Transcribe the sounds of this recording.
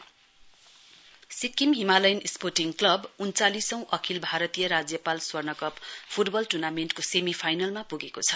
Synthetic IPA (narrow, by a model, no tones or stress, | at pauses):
sikːimɦimalajnisporʈiŋklʌbunt͡salisʌ̃w̃ʔʌkʰilbʱaɾʌt̪ijʌɾad͡zjʌpalswʌrnʌkʌppʰuʈbʌlʈunamenʈkosemipʰajnʌlmapuɡekot͡sʰʌ̥